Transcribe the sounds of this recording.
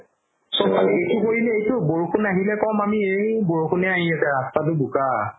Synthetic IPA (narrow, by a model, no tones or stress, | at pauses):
sɔbaletʰukoɹilɛejtʊboɹukʰunaɦilɛkɔmamiejboɹukʰunɛaɦiɛtɛɹastatʊbuka